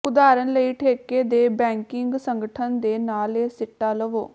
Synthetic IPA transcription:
ʊd̪aːɾənləiːʈʰeːkeːd̪eːbɛ̃ːŋkɪŋɡsəŋɡəʈʰənd̪eːnaːleːsɪʈːaːləʋoː

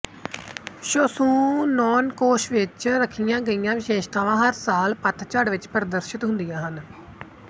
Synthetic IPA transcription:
ʃosũːnɔːnkoːʃʋɪt͡ʃɾəkʰːijãːɡəijãːʋɪʃeːʃt̪ãːʋãːɦəɾsaːlpət̪ʰt͡ʃəɽʋɪt͡ʃpəɾd̪əɾʃɪt̪ɦʊnd̪ijãːɦən

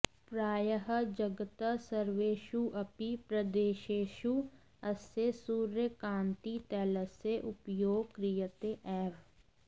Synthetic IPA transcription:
pɾaːjəɦəd͡ʒəɡət̪əsɐɾʋeːʃuʔɐpipɾɐd̪eːʃeːʃu | ɐsesuːɾjəkãːnt̪it̪ɛːləseʔʊpjoːɡ̚kɾijət̪eʔɛːʋ

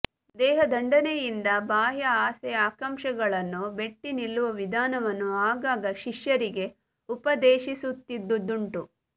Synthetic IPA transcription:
d̪ɛːɦɐd̪ʱɐɳɖɐnejind̪ɐbʱaːɦjɐaːsɛaːkɐmʃɐɡɐɭɐnːube̞ʈːinilːuʋɐʋid̪ʱaːnɐʋɐnːuaːɡaːɡɐʃiʂjɐɾiɡe̞ | upɐd̪eːʃisut̪ːid̪ːud̪uɳʈu

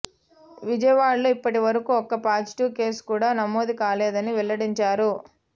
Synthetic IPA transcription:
ʋid͡ʒɐjɐʋaːɭluːipːɐʈiʋɐɾɐkuːɔkɐpaːd͡ʒʈuːke̞ːskuːɽaːnɐmoːd̪ikaːlɛːd̪ɐniʋɛɭːɐɽiɲt͡ʃaːɾu

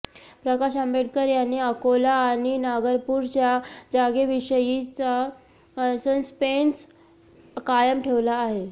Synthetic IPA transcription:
pɾəkaɕambeɽkəɾjanːiəkolaːɽ̃inaɡəɾpuːɾd͡ʑjad͡zaɡeʋiɕəjit͡sa | sənspens | kajəmʈʰeʋlaːɦe

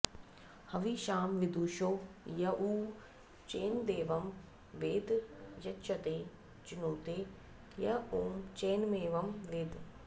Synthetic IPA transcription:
hɐʋiʃaːmʋɪd̪uːʃoːjɐʔuː | t͡ʃeːnd̪eːʋɐm | ʋeːd̪jɐt͡ʃɐt̪eː | t͡ʃinoːt̪eː | jɐoːmt͡ʃeːnmeːʋɐmleːd̪

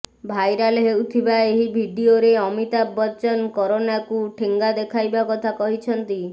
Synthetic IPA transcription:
bʱajɾaleɦewt̪ʰibaeɦibʱiɖioɾeɔmit̪abɔt͡ʃɔnkɔɾonakuʈʰeŋɡad̪ekʰajbakɔt̪ʰakɔɦit͡ʃʰɔnt̪i

